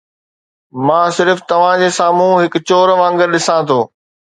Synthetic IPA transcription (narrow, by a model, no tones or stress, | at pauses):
mãːsɪɾft̪ɐʋ̤ãd͡ʑeːsaːmũɦɪkt͡ɕoːɾʋãːŋɡəɾɗɪsãt̪ʰoː